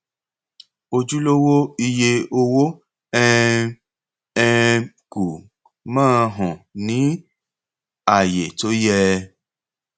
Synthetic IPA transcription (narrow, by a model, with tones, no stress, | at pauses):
o˧d͡ʒu˦lo˦wo˦i˧je˧o˧wo˦ | ɛ˦ | ɛ˧ | ku˨ | mãː˦˨ɦɔ̃˨nĩ˨˦ | a˨je˨to˨˦jɛ˦˧